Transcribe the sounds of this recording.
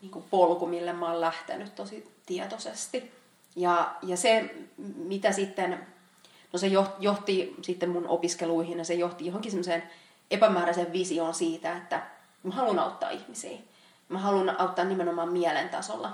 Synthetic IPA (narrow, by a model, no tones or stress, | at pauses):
niːŋkupolkumilːemmɑːllæht̪ḛnyt̪t̪osit̪iɛt̪osest̪i | jɑjɑsemit̪æsit̪ːen | nosejohjoht̪isit̪ːemmunʔo̰piskeluihinjɑsejoht̪ijohoŋkisemːosen | epæmæːɾæseʋʋisionsiːt̪æet̪ːæ | mæhɑlunɑ̰ut̪ːɑ̰ːihmisḭː | mæhɑlunɑut̪ːɑːnnimenomɑːmmiɛlent̪ɑ̰so̰lːɑ